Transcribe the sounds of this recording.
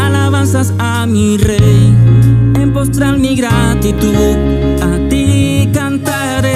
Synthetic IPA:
alaβansasa | mi | rej | empost̪ɾalmiɣɾat̪it̪uð | at̪ikant̪a | ɾe

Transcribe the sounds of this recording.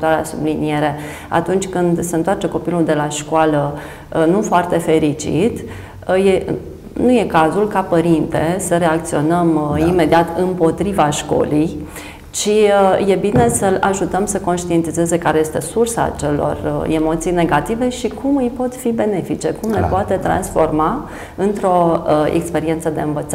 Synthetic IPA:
t̪oaɾeasublinie̞ɾe̞ | a̰t̪unt͡ʃʲkɨnd̪seɨnt̪oart͡ʃeko̞pilud̪e̞laʃkwalə | nufoart̪e̞fe̞ɾit͡ʃḭt̪ | je̞ | nuje̞kazulkapəɾint̪esəɾe̞akt̪sio̞nəmime̞d̪iat̪ɨmpo̞t̪ɾivaʃko̞̰lij | t͡ʃiəje̞bine̞səla̰ʒut̪əmsəko̞nʃt̪ie̞nt̪ize̞ze̞kaɾe̞je̞st̪e̞sursa̰t͡ʃe̞lo̞̰remo̞t̪sijne̞ɡat̪ive̞ʃikumɨjpo̞t̪fibe̞ne̞fit͡ʃe̞kumle̞poat̪e̞t̪ɾa̰nsfo̞rma | ɨnt̪ɾo̞ḛkspe̞ɾient̪səd̪e̞ɨnvət̪sa

